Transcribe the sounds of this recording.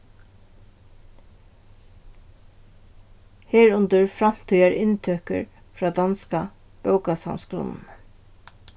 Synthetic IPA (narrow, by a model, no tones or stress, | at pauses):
heːɹʊnt̪əɹfɾɑm̥t̪ʰyːæɹʔɪnt̪ʰøːkə̰ɹ | fɹɑːd̪ɑnska | b̥œʊkɑsɑ̰ʊnskɾʊ̰nn̩